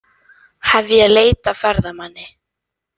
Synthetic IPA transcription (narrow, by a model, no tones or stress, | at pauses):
havðɪaleːjt̪afɛɾðamanːɪ